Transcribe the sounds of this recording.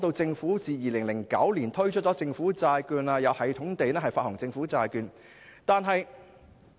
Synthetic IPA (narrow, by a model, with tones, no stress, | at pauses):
t̪o˧wt͡sɪ˧ŋfuː˨˥t͡siː˨˧jiː˨˩lɪ˨˩ŋlɪ˨˩ŋkɐ̰˨˥wliː˨˩nt̪ʰɵ˥ɥt͡ʃʰt̚t͡sɔː˨˥t͡sɪ˧ŋfuː˨˥t͡saː˧jkyː˧naː˧jɐ˨˧whɐ˨˩jt̪ʰʊ˨˥ŋt̪e˨jnɛː˥ɦɐ˨jfaː˧thʊ˨˩ŋt͡sɪ˧ŋfuː˨˥t͡saː˧jkyː˧n | t̪aː˨˧nɦɐ˨j